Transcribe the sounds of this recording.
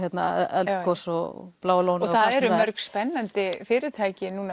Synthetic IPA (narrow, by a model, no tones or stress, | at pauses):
jɛt̪na̰ɛlt̪kʰɔsɔ̰plaːwloːwnɔθaðɛɾɾʏmːœɾkspɛnːant̪ɪfɪːɾɪt̪ʰaːjcɪnuːna